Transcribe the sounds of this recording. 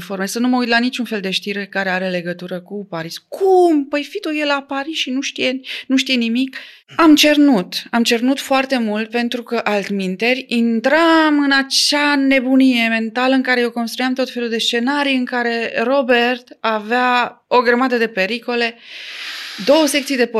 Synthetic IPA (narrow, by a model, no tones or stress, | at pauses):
fo̞rmesənuməujt̪lanit͡ʃunfe̞ld̪e̞ʃt̪iɾe̞kaɾe̞aɾe̞le̞ɡət̪uɾəkupaɾiskʰumpəjfit̪ujelapaɾisʃinuʃt̪ijenuʃt̪ije̞nimik | amt͡ʃe̞rnut̪amt͡ʃe̞rnut̪foart̪e̞mult̪̚pe̞nt̪ɾukəʔalt̪mint̪e̞rʲint̪ɾamɨnat͡ʃane̞bunije̞me̞nt̪aləɨŋkaɾe̞jewko̞nst̪ɾujamt̪o̞t̪fe̞lud̪e̞st͡ʃe̞naɾijɨŋkaɾe̞ro̞be̞rt̪avea | o̞ɡɾəmad̪əd̪e̞pe̞ɾiko̞le̞ | d̪o̞wəse̞k̚t̪sijd̪e̞p